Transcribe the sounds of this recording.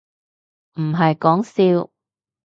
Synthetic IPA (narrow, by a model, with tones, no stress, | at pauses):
m̩˨˩ɦɐ˨jkɔː˨˥ŋsiː˧w